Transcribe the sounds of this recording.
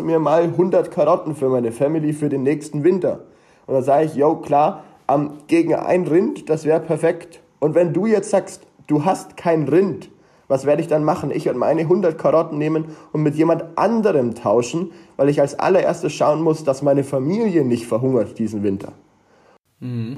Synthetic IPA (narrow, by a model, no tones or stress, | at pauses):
miːɐmaːlɦʊndɐtkʰaʁɔtn̩fyːɐmaɪnəfɛmɪlifyːɐdeːnːɛːçstn̩vɪntɐ | ʔʊntd̥anzaːɡəɪçjoʊkʰl̥aːɐ | ʔɛmɡ̥eːɡŋ̩ʔa̰ɪnʁɪntd̥asv̥ɛːʁəpʰɛɐfɛkt | ʔʊntv̥ɛnduːjɛt͡stz̥aːkst | d̥uːɦastkʰaɪnʁɪnt | vasv̥eːɐɾəɪçd̥anmaχn̩ʔɪçv̥ɪɐdəma̰ɪnəɦʊndɐtkʰaʁɔtn̩neːmənʔʊntmɪtjeːmantʔa̰ndəʁəmtʰaʊʃn̩vaɪlɪçalsʔa̰lɐʔḛɐstəsʃaʊənmʊsd̥asmaɪnəfamiːljənɪçtfɛɐɦʊŋɐt̚d̥iːzn̩vɪntʰɐ̰